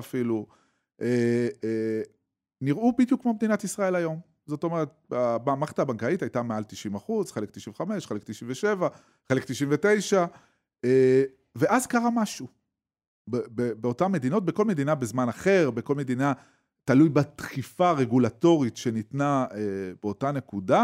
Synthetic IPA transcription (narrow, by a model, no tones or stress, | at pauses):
afilu | ʔe | niʁubidjukmobd̪inatisʁae̞lajo̞m | zo̞t̪o̞me̞ʁet̪̚abamaχtaːbaŋkaitajtamealt̪iʃimaχuzχelekt̪i̥ʃimveχame̞ʃχelekt̪iʃimveʃe̞va | χe̞lekt̪iʃiɱvete̞jʃa | e | ve̞ʔazkaʁamaʃu | bebebeo̞tamːe̞d̪ino̞t̪̚beko̞lme̞d̪inabezmanaχe̞ʁbe̞ko̞lme̞d̪ina | talujbat̪χifaʁe̞ɡulato̞ʁitʃe̞nitnaebeo̞tane̞kuda